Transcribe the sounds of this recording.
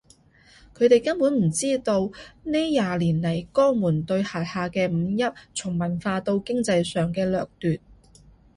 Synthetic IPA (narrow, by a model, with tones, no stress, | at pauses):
kʰɵ˨˧ɥt̪e˨˩jkɐ˥npuː˨˥nm̩˨˩t͡siː˥t̪o˧wneː˥jaː˨˧liː˨˩nlɐ˨˩jkɔː˥muː˨˩nt̪ɵ˧ɥhaː˨t̚haː˨˧kɛː˧m̩ː˨˧jɐ˥t̚t͡sʰʊ˨˩ŋmɐ˨˩nfaː˧t̪o˧wkɪ˥ŋt͡sɐ˧jsœː˨ŋkɛː˧lœː˨k̚t̪yː˨t̚